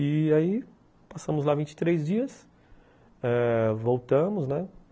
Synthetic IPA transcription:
iai | pasɐ̃mʊzlavĩnt͡ʃɪ̥t̪ɾejzd͡ʒiɐs | ɛvowt̪ɐ̃mʊznɛ

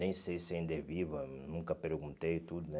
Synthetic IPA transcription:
nẽj̃sejsẽd̪evivɐnũŋkɐpeɾɡũnt̪ejt̪ud̪ʊnɛ

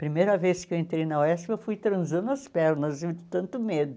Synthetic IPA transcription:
pɾimejɾɐveskɪewẽnt̪ɾejnɐoɛsɪewfujt̪ɾɐ̃zɐ̃nd̪ʊɐspɛɾnɐzid̪ɪt̪ɐ̃nt̪ʊmed̪ʊ

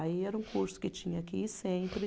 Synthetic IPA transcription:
aiɛɾɐũkuɾsʊ̥kɪt͡ʃĩɲɐakisẽpɾɪ

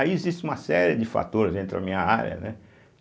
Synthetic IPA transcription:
iezist͡ʃɪũmɐsɛɾɪd͡ʒɪfa̰t̪oɾɪzẽnt̪ɾɪa̰mĩɲɐaɾjɐ̰nɛ

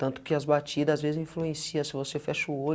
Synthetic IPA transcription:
t̪ɐ̃nt̪ʊ̥kɪɐzbat͡ʃid̪ɐazvezɪzĩfluẽsiɐ̃sɪvosefɛʃuo

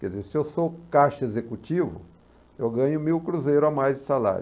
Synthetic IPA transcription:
kɛdd͡ʒɪzeɾsɪewsokaʃɐezekut͡ʃivʊ̰ | ewɡɐ̃ɲʊmiwkɾuzejɾʊamajzd͡ʒɪsala̰ɾ

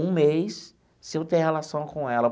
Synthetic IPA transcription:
ũmejs | sɪewt̪ẽj̃helasɐ̃w̃kõɛlɐ

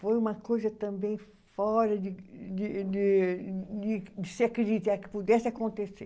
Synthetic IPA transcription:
fojumɐkojzɐt̪ɐ̃mbẽj̃ | fɔɾɐd̪ɪd̪ɪd̪ɪ | d̪ɪd̪ɪseakɾɪd̪it̪ɛkɪ̥pud̪ɛsɪɐkõnt̪eseɾ

